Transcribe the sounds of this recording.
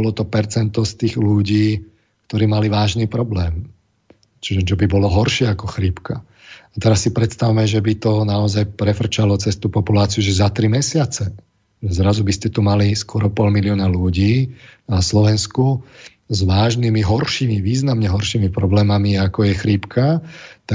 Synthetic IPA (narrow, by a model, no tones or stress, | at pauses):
ɔlɔt̪ɔpɛɾt͡sɛnt̪ɔst̪iːɣluɟiː | kt̪ɔɾiːmaliʋaːʒniːpɾɔblɛːm | t͡ʃiʒɛd͡ʒɛbibɔlɔɦɔɾʃɪɛakɔxɾiːpka | at̪ɛɾasːipɾɛt̪st̪awmɛʒɛbit̪ɔnaɔzajpɾɛfr̩t͡ʃalɔt͡sɛst̪uːpɔpulaːt͡siɪuʒɛzat̪ɾimɛsɪat͡sɛ | zɾazubiscɛt̪umaliskʊɔɾɔpɔlmiliɔnaluɟiːnaslɔʋɛnsku | zʋaːʒnimiɦɔɾʃiːmiʋiːznamɲɛɦɔɾʃiːmipɾɔblɛːmamiakɔjɛxɾiːpkʰat̪a